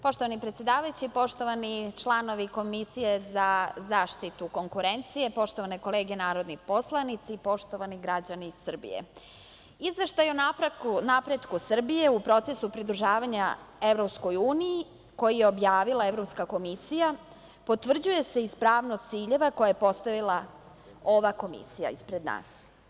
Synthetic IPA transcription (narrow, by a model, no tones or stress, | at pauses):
po̞ʃt̪o̞ʋanipɾet̪sjed̪aːʋajut͡ɕipo̞ʃt̪oʋanit͡ʃlˠano̞ʋiko̞misije̞zazaːʃt̪it̪uko̞ŋkuɾent̪sije̞po̞ʃt̪o̞ʋane̞ko̞leːɡenaːɾo̞d̪nipo̞slˠanit̪sipo̞ʃt̪o̞ʋaniɡɾad͡ʑanisr̩bḭjḛ | izʋe̞ʃt̪ajonanapɾe̞d̪kusr̩bije̞upɾo̞t̪se̞supɾid̪ɾuʒaːʋaɲae̞vɾo̞psko̞juːniji | ko̞jijeo̞bjaːʋilae̞vɾo̞pskako̞misija | po̞t̪ʋr̩d͡ʑuje̞se̞ispɾaːʋnost̪siːʎe̞ʋako̞jajepo̞st̪aʋilˠa | o̞ʋako̞mḭsija̰ispɾed̪na̰ːs